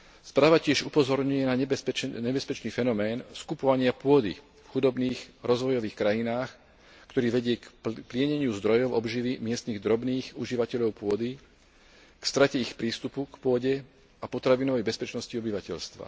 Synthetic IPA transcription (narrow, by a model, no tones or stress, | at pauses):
spɾaːʋacɪɛʒupɔzɔɾɲujɛnaɛɲɛbɛspɛt͡ʃniːfɛnɔmɛːnskupɔʋaɲɪapʊɔd̪ḭ | fxud̪ɔbniːxɾɔzʋɔjɔʋiːxkɾajinaːx | kt̪ɔɾiːʋɛɟɪɛkplɪɛɲɛɲɪuzd̪ɾɔjɔʊɔbʒiʋimɪɛst̪niɣd̪ɾɔbniːxuʒiʋacɛʎɔʊpʊɔd̪i | kst̪ɾacɛixpɾiːst̪upukpʊɔɟɛ | apɔt̪ɾaʋinɔʋɛjbɛspɛt͡ʃnɔsciɔbiʋacɛʎst̪ʋa̰